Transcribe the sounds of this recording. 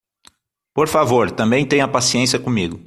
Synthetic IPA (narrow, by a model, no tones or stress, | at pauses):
poɾfavoɾt̪ɐ̃mbẽj̃t̪ẽj̃ɐpasiẽsiɐkõmiɡʊ